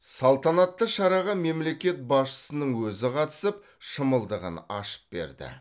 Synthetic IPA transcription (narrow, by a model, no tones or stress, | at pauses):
sɑlˠt̪ɑnɑt̪ːəʃɑɾɑʁɑme̞mle̞kʲe̞t̪̚bɑsʃə̥sənəɴwɵzɪqʰɑt̪ə̥səp̚ | ʃəməlˠd̪əʁə̰nɑ̰ʃə̥p̚be̞̰ɾd̪ɪ̰